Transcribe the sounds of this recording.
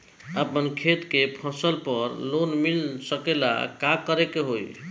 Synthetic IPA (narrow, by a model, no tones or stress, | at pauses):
əpənkʰet̪kepʰəsəlpəɾlonmilsəkela̰kakəɾekeɦoj